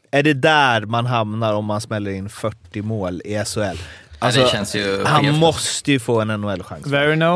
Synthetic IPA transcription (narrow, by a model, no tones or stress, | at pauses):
æɖɛd̪æɾmanɦamnaɾɔmːansmɛlːəɾɪnːfœʈːɪmoːlɪɛsʊɛlːalsɔɛnsjhanmɔst̪əjɵfoːɛnɛnːʊɛlːɧa̰ŋvɛɹɪno